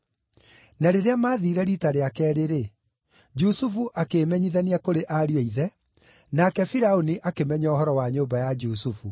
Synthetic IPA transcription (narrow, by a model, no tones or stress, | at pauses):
naɾeɾeamaːðiɾɛɾitaɾeakɛːɾeɾe | d͡ʒusufuʔakeːmɛɲiðaniakoɾeʔaɾiɛiðɛ | nakɛfiɾaoniʔakemɛɲaoɦɔɾɔwaɲoːmbajad͡ʒusufu